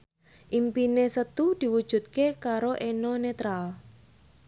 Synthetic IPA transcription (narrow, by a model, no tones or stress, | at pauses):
ʔimpinesət̪ud̪̥i̤wud̥ʒ̥ṳt̪̚kekaɾoʔenɔnet̪ɾal